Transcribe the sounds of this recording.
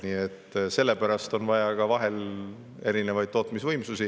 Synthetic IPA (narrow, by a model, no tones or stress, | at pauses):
niːet̪ːˑse̞lːe̞pæɾɑst̪o̞nvɑjɑkɑvɑɦe̞l | eɾine̞vɑjd̪̥̚t̪ːo̞ːt̪misvɤjmsusi